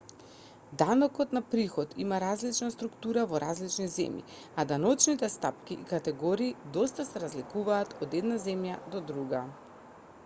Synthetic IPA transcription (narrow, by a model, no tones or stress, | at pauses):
d̪anɔkɔt̪napɾixɔt̪ʰimaɾazlit͡ʃnast̪ɾukt̪uɾavɔɾazlit͡ʃnizɛ̰mjḭ | ad̪anɔt͡ʃnit̪ɛst̪apkiʔːkat̪ɛɡɔɾiːd̪ɔst̪asɛɾazlikuvaːt̪ʰɔd̪ɛd̪nazɛmjad̪ɔd̪ɾuɡa